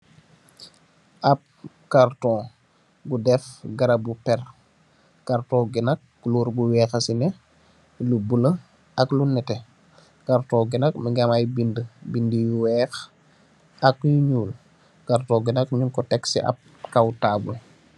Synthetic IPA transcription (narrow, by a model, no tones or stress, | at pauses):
ʔɐp̚ | kartɔ̃ | ɡudɛfɡɐɾɐbupɛr | kartɔ̃ːɡinɐk̚ː | uluːɾbuwɛːxɐsinɛ | lubulə | ɐklunɛtɛ | kartɔ̃ːɡinɐk̚miŋɡamajbindəbindijwɛːx | ɐkjuɲuːl | kartɔ̃ːɡinak̚ɲunkɔtɛksḭʔɐ̰p̚ | kawtaːbul